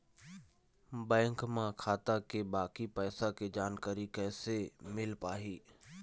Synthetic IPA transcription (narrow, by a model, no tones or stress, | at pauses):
bɛ̃ːŋkmãkʰaːt̪akebaːkipɛːsaked͡ʒaːnkaːɾikɛːsemɪlpaːɦiː